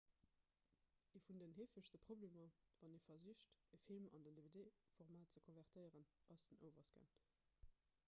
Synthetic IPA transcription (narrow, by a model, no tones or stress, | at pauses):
ifundənɦeːfəʃsəpʁ̥obleːmɐvɑneːfɐzyəɕtəfilmɑ̰ndəndevedeːfoʁmaːt̚t͡səkʰonvɛʁtʰəɪəʁənʔɑsdənəʊvɐsɡ̥ə̰n